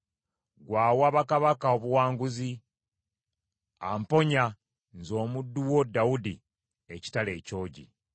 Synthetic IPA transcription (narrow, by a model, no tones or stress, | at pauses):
ɡwaːwaːβakaβakaoβuwaːŋɡuzi | ampo̞ɲa | nzo̞ːmudːuwo̞dːawudi | eci̥tale̞ːco̞ːɟḭ